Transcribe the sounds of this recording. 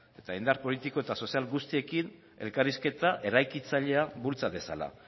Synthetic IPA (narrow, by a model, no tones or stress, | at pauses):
e̞t̪aind̪aɾpo̞lit̪iko̞e̞t̪aso̞sialɡust̪ie̞kin | e̞lkariske̞t̪aʔe̞ɾajkit͡saʎe̞aβult͡saβe̞sa̰la̰